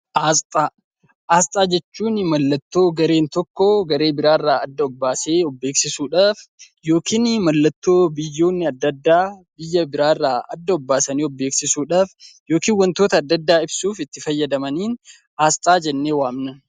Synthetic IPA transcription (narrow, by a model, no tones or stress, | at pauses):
ʔaːst̪ʼaː | ʔaːst̪ʼaːd͡ʒɛt͡ʃːuːnmɐlːɐt̪ːo̞ːɡɐɾe̞ːnt̪ɔkːɔɡɐɾe̞ːbɪɾaːrːaːɐd̪ːɐɔbːaːse̞ːɔbːeːksɪsuːᶑaːf | jo̞ːkiːnmɐlːɐt̪ːo̞ːbɪjːo̞ːnːɪɐd̪ːɐd̪ːaːbɪjːɐbɪɾaːɪrːaːɐd̪ːɐɔbːaːsɐniːɔbːe̞ːksɪsuːᶑaːfjo̞ːkiːnwɐnt̪o̞ːt̪ɐːd̪ːɐd̪ːaːɪbsuːfɪt̪ːɪfɐjːɐd̪ɐmɐniːn | aːst̪ʼaːd͡ʒɛnːe̞ːwaːmnɐn